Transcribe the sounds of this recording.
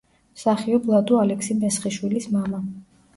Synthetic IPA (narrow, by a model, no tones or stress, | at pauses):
saχiɔblˠad̪ualɛksimɛsχiʃwilismama